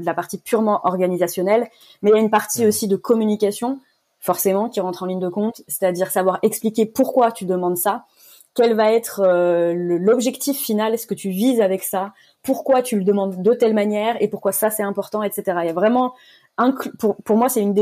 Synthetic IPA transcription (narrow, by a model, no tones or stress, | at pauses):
d̪əlapaʁt̪ipyʁmɑ̃ʔɔʁɡanizasjɔnɛl | mɛjaynpaʁt̪iosid̪əkɔmynikʲasjɔ̃ | fɔʁsemɑ̃kʲiʁɑ̃t̪χɑ̃liɲd̪əkɔ̃t̪se̥t̪ad̪iʁsavwaʁɛksplikʲepuʁkwat̪yd̪əmɑ̃d̪sa | kʲɛlvaɛt̪χøləlɔbʒɛkt̪ifːinalsə̥kət̪ʰyvizavɛksa | puʁkwat̪yləd̪əmɑ̃d̪ːot̪ɛlmanjɛːʁepuʁ̥kwasasɛt̪ɛ̃pɔʁt̪ɑ̃ɛt̪set̪eʁajavʁɛmɑ̃ | ɛ̃klpuʁpuʁmwasɛynd̪e